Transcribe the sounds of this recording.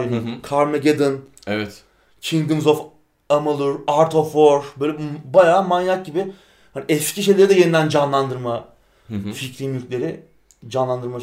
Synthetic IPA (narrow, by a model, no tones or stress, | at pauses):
ɯnukʰaɾmeɟed̪ɯn | evɛt̪ | t͡ʃʰiŋd̪ɯmzof | amɯlˠuɾaɾt̪ʰofoɾbøːjlʲɛbajaːmanjak̚ɟibɪ | haniɛscʰiʃe̞jlʲeɾid̪ɛjenid̪ænd͡ʒanlˠand̪ɯɾma | ficɾiːmjylʲcʰʲlʲe̞ɾɪ | d͡ʒanlˠand̪ɯɾma